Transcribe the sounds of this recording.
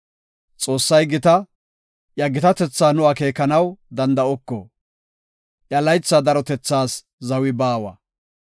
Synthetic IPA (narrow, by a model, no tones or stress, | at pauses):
t͡sʼo̞ːsːɐjɡɪt̪ɐ | ʔjɐɡɪt̪ɐt̪ɛt͡sːaːnʊake̞ːkːɐnɐwd̪ɐnd̪ɐɔkːɔ̰ | ʔjɐlɐjt͡sːaːd̪ɐɾɔt̪ɛt͡sːaːs | zɐwɪbaːwɐ̰